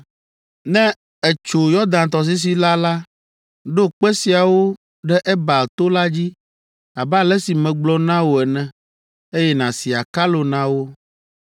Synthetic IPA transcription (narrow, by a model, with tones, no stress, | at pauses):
nɛ̃˦ | ɛ˨t͡ʃo˨jɔ˦d̪ã˨nt̪ɔ˨s̬i˦s̬i˨la˦la˦ | ɖo˦k͡pɛ˦si˨a˨wo˦ | ɖɛ˦ʔɛ˦ba˨lt̪o˦la˦d͡ʑi˦ | a˨bɛ˦a˦lɛ˦si˨mɛ̃˨ɡ͡blɔ˦nã˦wo˨ɛ˨nɛ̃˨ | e˦jɛ˦nã˨si˨a˨ka˦lo˨nã˦wo˦